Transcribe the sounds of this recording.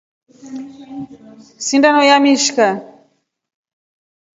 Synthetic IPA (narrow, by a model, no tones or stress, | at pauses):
sindanɔjamiʃka